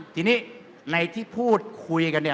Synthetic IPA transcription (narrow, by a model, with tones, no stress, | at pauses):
t̪ʰiː˧niː˦˥ | na˧jt̪ʰiː˥˩pʰuː˥˩t̪̚kʰu˧jka˧ni˥˩